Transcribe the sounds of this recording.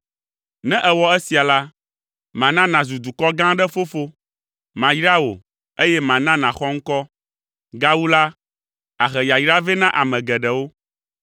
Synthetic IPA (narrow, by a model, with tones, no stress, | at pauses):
nɛ̃˦ʔɛ˨wɔ˦ɛ˦si˨a˨la˦ | mã˨nã˦nã˨zu˨d̪u˨kɔ˦ɡã˦ɖɛ˦fo˦fo˦ | mã˨jɾa˦wo˨ | e˦jɛ˦mã˨nã˦nã˨xɔ˦ŋ̩˦kɔ˦ | ɡa˦wu˦la˦ | a˨xɛ˨ja˨jɾa˦vɛ˦nã˦ʔa˨mɛ̃˨ɡɛ˨ɖɛ˨wo˦